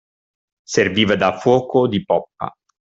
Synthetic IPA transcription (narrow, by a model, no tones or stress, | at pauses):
serviːvad̪afwɔːkod̪ipɔpːa̰